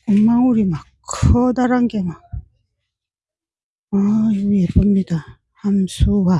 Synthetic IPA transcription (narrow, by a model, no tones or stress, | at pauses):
oŋmːaŋuɾimakʰɔd̪aɾaŋɡema | aepomɲida | hamsuwa